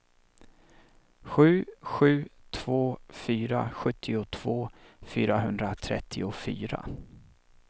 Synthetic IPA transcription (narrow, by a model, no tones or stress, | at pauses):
ɧʉ̟ːɧʉ̟ːt̪ʰv̥oːfyːɾaɧɵt̪ʰːɪʊt̪ʰv̥oːfyːɾaɦɵnd̪ɾat̪ʰɾɛ̰t̪ʰːɪʊfy̰ːɾa̰